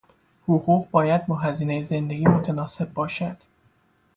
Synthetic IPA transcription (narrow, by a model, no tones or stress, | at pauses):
huʁuːʁbɒːjæd̪̚bɒːɦæziːnejeze̞nd̪e̞ɡʲiːmot̪ʰænɒːse̞bːɒːʃæd̪̥